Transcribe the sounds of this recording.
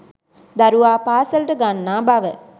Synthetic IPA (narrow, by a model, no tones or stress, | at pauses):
d̪aɾuʋaːpaːsəlʈəɡanːaːbaʋə